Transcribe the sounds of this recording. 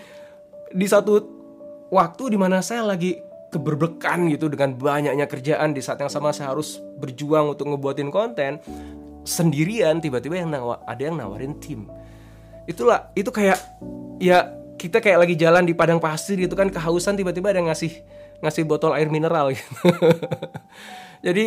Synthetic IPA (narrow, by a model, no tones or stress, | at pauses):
disat̪u | wak̚t̪udimanasajalaɡi | kəbərbəkanɡit̪udəŋanbaɲak̚ɲakərd͡ʒaʔandisaat̪jaŋsamasaɦaɾʊs | bərd͡ʒuaŋunt̪ʊk̚ŋəbuat̪ɪnkɔnt̪ɛn | səndiɾiant̪ibat̪ibajaŋnawa̰a̰dajaŋna̰wa̰ɾɪnt̪ʰɪm | it̪ulahit̪ukajaʔ | jakit̪akajaʔlaɡid͡ʒalandipadaŋpasɪrɡit̪ukankəɦausant̪ibat̪̬ibaːdajaŋasɪh | ŋasɪhbot̪ɔla̰ɪrminəɾalɡit̪u̥ | d͡ʒadi